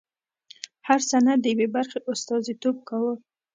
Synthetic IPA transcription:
haɾsanad̪ːəjwebaɾχeʔʊst̪ɑzit̪ob̚kawə

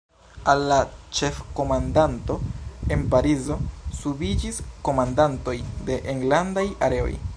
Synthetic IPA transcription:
alːat͡ʃe̞fko̞mandanto̞e̞npaɾizo̞subid͡ʒisko̞mandanto̞jde̞ʔeŋɡlandajaɾe̞o̞̰j

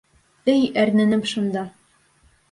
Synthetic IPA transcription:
ɘjæɾnæ̆nɘmʃŭnd̪ɑ

